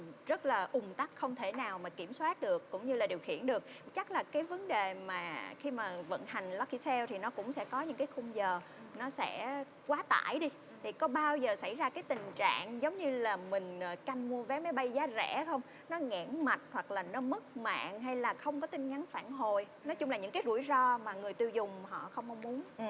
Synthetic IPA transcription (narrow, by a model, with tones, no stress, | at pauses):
zə˦˥t̚laː˨˩ʔʊ˨˩ŋ͡mt̪a˦˥t̚xə˧wŋ͡mt̪ʰe˧˩naː˨˩wmaː˨˩ki˧˩əmswaː˦˥t̚ɗɨ˨˩əkːʊ̰˧˥ŋ͡mɲɨ˧laː˨˩ɗi˨˩əwxḭ˧˨ənɗɨ˨˩ək̚t͡ɕa˦˥k̚laː˨˩kaː˨˦jvə˨˦nɗe˨˩maː˨˩xi˧maː˨˩və̰˧˨nha˨˩jŋ̟lɔ˨˧ki˧sɛ˧wt̪ʰi˨˩nɔ˨˦kʊ̰˧˥ŋ͡msɛ̰˧˥kɔ˨˦ɲɨ̰˧˥ŋkaː˨˦jxʊ˧ŋ͡mzəː˨˩ | nɔ˨˦sɛ̰˧˥ | kwaː˨˦t̪a̰ː˧˨jɗi˧ | t̪ʰi˨˩kɔ˨˦ɓaː˧wzəː˨˩sa˧˩jzaː˧kaː˨˦jt̪ï˨˩ŋ̟t͡ɕa̰ː˧˨ŋzə˨˦wŋ͡mɲɨ˧laː˨˩mï˨˩ŋ̟ʔəː˨˩ka˧jŋmu˧əvɛ˨˦ma˨˦jɓa˧jzaː˨˦zɛ̰˧˩˦xə˧wŋ͡m | nɔ˨˦ŋɛ˧˩nma˨˩t̚hwa˨˩k̚laː˨˩nɔ˨˦mə˦˥k̚ma̰ː˧˨ŋɦa˧jlaː˨˩xə˧wŋ͡mkɔ˨˦t̪ï˧ŋ̟ŋa˨˦nfaː˧˩nɦo˨˩j | nɔ˨˦jt͡ɕʊ˧ŋ͡mlaː˨˩ɲɨ̰˧˥ŋkaː˨˦zṵ˧˩əjzɔ˧maː˨˩ŋɨ˨˩əjt̪i˧əwzʊ˨˩ŋ͡mɦɔ̰˧˨xə˧wŋ͡mʔa˧wŋ͡mmu˨˦ən